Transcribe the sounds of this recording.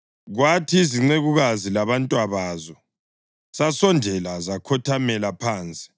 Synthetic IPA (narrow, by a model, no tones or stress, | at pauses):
ɣwatʰiːziŋ͡ǀeɣuɣazilaβantʼwaβaːzɔ | sasɔndʱɛlazakʰɔtʰamɛlapʰaːnt͡sʼi̥